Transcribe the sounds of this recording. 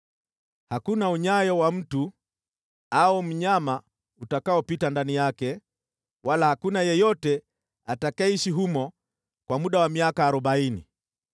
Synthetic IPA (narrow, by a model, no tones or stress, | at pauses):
hakunauɲajɔwam̩tu | aum̩ɲama | utakaɔpitandanijakɛ | walahakunajɛjɔtɛ | atakaiʃiɦumɔ | kwamuɗawamiakaːɾɔɓainḭ